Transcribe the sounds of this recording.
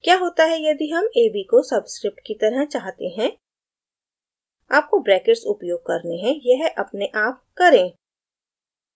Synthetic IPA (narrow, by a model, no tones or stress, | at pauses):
kjaːɦoːt̪aɦɛjɐd̪iɦɐmeːbikosɐbskɾɪp̚ʈkit̪ɐɾəɦt͡ʃaːɦt̪eɦɛ̃ | aːp̚kobɾɛːkɪʈsʊpjoːɡ̚kɐɾneɦɛ̃jɛɦʔɐpneʔaːp̚kɐɾẽː